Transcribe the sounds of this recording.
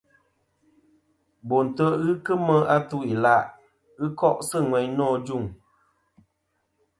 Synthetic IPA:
bo˨n̩˨tə˦ʔɣɨ˦kɨ˦mə˦a˦tu˦i˨la˦ʔ | ɣɨ˦kɔ˦ʔsɨ˦˨ŋwɛ˨ɲnɔː˦˨d͡ʒu˦˨ŋ

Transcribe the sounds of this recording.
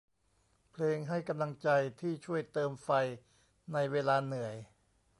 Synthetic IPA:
pʰleː˧ŋɦa˥˩jka˧mla˧ŋt͡ɕa˧jt̪ʰiː˥˩t͡ɕʰu˥˩əjt̪ɤː˧mfa˧j | na˧jweː˧laː˧nɯ˨˩˦əj

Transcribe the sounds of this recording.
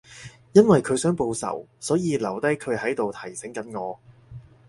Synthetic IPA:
jɐ˥nwɐ˨jkʰɵ˨˧ɥsœː˨˥ŋpo˧wsɐ̰˨˩wsɔː˨˥jiː˨˧lɐ˨˩wt̪ɐ˥jkʰɵ˨˧ɥhɐ˨˥jt̪o˨wt̪ʰɐ˨˩jsɪ˨˥ŋkɐ˨˥nŋɔː˨˧

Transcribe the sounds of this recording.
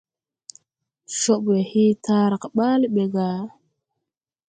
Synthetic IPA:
ʃo˦ɓwe˨hi˦ta˦ɾa˨ka˨ɓa˦lɓe˨ɡa˨

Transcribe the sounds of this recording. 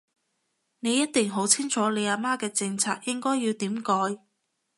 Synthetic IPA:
ne˨˧jːɐ˥t̚t̪ɪ˨˩ŋɦo˨˥wt͡sʰɪ˥ŋt͡ʃʰɔː˨˥le˨˧jaː˧maː˥kɛː˧t͡sɪ˧ŋt͡sʰaː˧k̚jɪ˥ŋkɔː˥jːiː˧wt̪iː˨˥mkɔː˨˧j

